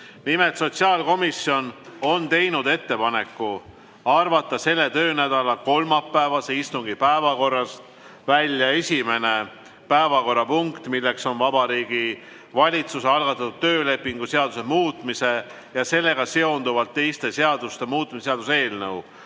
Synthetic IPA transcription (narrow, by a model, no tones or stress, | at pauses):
mime̞t̪so̞t̪siɑːlko̞misjo̞no̞nt̪e̞jnud̪e̞t̪ːe̞pɑne̞kːu | ɑrvɑt̪ːˑɑse̞lːet̪ø̞ːnæd̪̥ɑlɑko̞lmɑpːæevɑseist̪uŋɡipæevɑko̞rːɑst̪ | vælʲjɑe̞sʲime̞ne̞ | pæevɑko̞rːɑpuŋkt̪milːe̞kso̞nvɑbɑɾiːɡ̥i | vɑlʲit̪suseɑlɡ̥ɑt̪ːˑɑt̪ːˑut̪̚t̪ːø̞ːle̞pːˑiŋɡ̥use̞ɑd̪̥use̞muːt̪ˑmise̞ | jɑse̞lːe̞ɡ̥ɑse̞o̞nd̪uvɑlt̪ːe̞jst̪e̞seɑd̪̥ust̪e̞muːt̪ːˑmiseseɑd̪us̬e̞ːlnɤw